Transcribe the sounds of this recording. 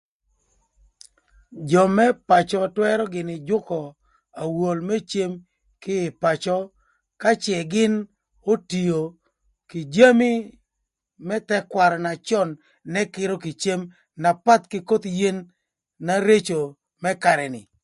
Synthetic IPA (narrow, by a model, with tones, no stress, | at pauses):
d͡ʒɔ˨mɛ˦pa˨t͡ʃɔ˨twɛ˦ɾɔ˦ɡɪ˨nɪ˨d͡ʒʊ˦kɔ˨ | a˨wo˨lmɛ˦t͡ʃe˦m | kɪ˦ɪ˨pa˨t͡ʃɔ˦ | ka˦t͡ʃɛ˨ɡɪ˦n | o˦ti˨jo˨ | kɪ˨d͡ʒa˦mi˦ | mɛ˦tɛ˦kwa˨ɾɔ˨na˨t͡ʃɔ˦nː | ɛ˦kɪ˦ɾo˦kɪ˨t͡ʃe˦m | na˨pa˦t̪kɪ˦ko˦t̪je˦nː | a˦ɾe˦t͡ʃo˨ | mɛ˦ka˨ɾɛ˨nɪ̰˨